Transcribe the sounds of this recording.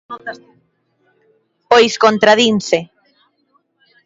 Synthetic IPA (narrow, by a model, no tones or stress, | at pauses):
pojskont̪ɾaðinθe